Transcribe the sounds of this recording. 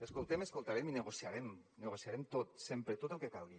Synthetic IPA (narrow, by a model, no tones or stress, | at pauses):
əskolˠt̪eməskolˠt̪aɾeminəɣosiaɾemnəɣosiaɾemt̪ot̪sempɾet̪ot̪əlˠkekalˠɣi